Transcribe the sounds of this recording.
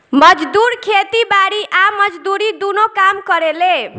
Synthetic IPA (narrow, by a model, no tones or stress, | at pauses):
məd͡ʒd̪uɾkʰet̪ibaɾiʔaməd͡ʒd̪uɾid̪unokamkəɾele